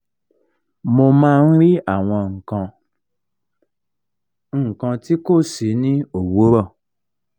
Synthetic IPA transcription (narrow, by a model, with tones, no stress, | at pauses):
mo˧mãː˦˧n̩˦ɾi˦a˦˨w̃ɔ̃˧ŋ̩˨kã˧ | ŋ̩˨kã˧ti˦ko˦˨si˨˦nĩ˦o˨wo˨˦ɾɔ˦˨